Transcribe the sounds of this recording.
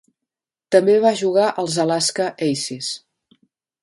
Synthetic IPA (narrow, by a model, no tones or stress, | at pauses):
t̪əmbeβaʒuɣ̞aʔəlˠzəlaskəʔɛjsis